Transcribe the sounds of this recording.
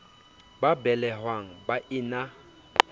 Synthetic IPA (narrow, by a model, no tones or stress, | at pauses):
babɛlɛhwaŋ̩baʔɪna